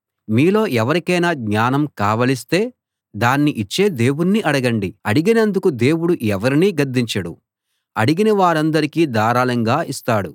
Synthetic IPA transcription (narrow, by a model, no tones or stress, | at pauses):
miːlo̞ːʔɛʋɐɾikɐjnaːɡɲaːnɐmkaːʋɐlist̪e̞ː | d̪aːnːiʔit͡ʃːe̞ːd̪e̞ːwuniʔɐɽɐɡɐɳɖiɐɽiɡinɐnd̪ukud̪e̞ːwuɽuʔɛʋɐɾiniːɡɐɾd̪ːiɲt͡ʃɐɽṵ | ɐɽiɡinɐʋaːɾɐnd̪ɐɾikiːd̪aːɾaːlɐŋɡaːʔist̪aːɽu